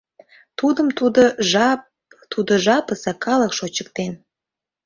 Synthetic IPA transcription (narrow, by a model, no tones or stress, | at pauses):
t̪ud̪əmt̪ud̪oʒɑp | t̪ud̪oʒɑpəsekɑləkʃot͡ɕək̚t̪en